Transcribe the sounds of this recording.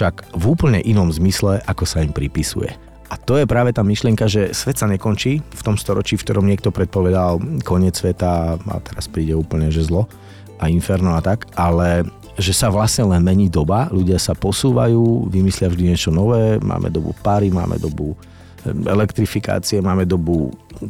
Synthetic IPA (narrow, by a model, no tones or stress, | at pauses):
fʃaɡvuːpl̩ɲɛ̰ʔinɔmzmislɛʔakɔsaimpɾipisṵjɛ̰ | ʔat̪ɔjɛpɾaːʋɛt̪aːmiʃlɪɛŋkaʒɛsʋɛt̪saɲɛkɔnt͡ʃiːft̪ɔmst̪ɔɾɔt͡ʃiːfkt̪ɔɾɔmɲɪɛk̚t̪ɔpɾɛt̪̚pɔʋɛd̪alkɔɲɪɛt͡ssʋɛt̪aa̰t̪ɛɾaspɾiːɟɛuːpl̩ɲɛʒɛzlɔ | ainfɛɾnɔat̪akʔalɛ | ʒɛsaʋlasɲɛlɛnmɛɲiːd̪ɔbaluɟɪasapɔsuːʋa̰juːʋimislɪavʒd̪iɲɪɛt͡ʃɔnɔʋɛːmʔa̰ːmɛ̰d̪ɔbṵpaɾima̰ːmɛ̰d̪ɔbu | ɛ̰lɛkt̪ɾifika̰ːt͡siɛmaːmɛd̪ɔbu